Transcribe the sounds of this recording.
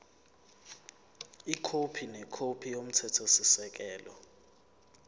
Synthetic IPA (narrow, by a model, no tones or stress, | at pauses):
ikʰopʰinɛkʰopʰijom̩tʰɛtʰɔsisɛk̬ɛːlɔ